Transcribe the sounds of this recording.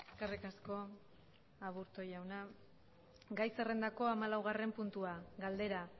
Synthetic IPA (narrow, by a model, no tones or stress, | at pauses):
eskarikasko̞ | aβuɾt̪o̞jawna | ɡajse̞re̞nd̪ako̞amalawɣare̞mpunt̪uaɡald̪e̞ɾa